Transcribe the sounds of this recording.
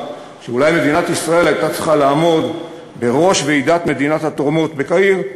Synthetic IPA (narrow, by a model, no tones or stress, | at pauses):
ʃeulajme̞d̪inat̪isʁae̞lajt̪at͡sliχalaːmo̞d̪ | be̞ʁo̞ʃveid̪at̪me̞d̪inat̪hat̪oʁmo̞t̪be̞kaiʁ